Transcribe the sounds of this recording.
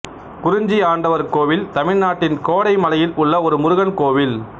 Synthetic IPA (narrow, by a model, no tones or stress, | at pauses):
kʊɾʊɲd͡ʒiaːɳɖɐʋɐɾkoːʋɪlt̪ɐmɪɻnaːʈːɪnkoːɽɐɪmɐlɐjɪlʊɭːɐɔɾɯmʊɾʊɣɐnkoːʋɪl